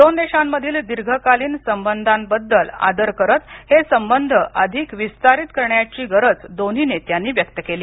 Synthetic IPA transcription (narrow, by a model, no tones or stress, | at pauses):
d̪ond̪eɕamːəd̪ʱiːld̪iɾɡʱəkaliːnsəmbənd̪ʱambəd̪ːəla̰d̪əɾkəɾət̪hesəmbənd̪ʱəʔəd̪ʱikʋist̪aɾit̪kəɾɳjat͡ɕiːɡəɾət͡sd̪on̤inet̪janːiːʋjək̚t̪əkeliː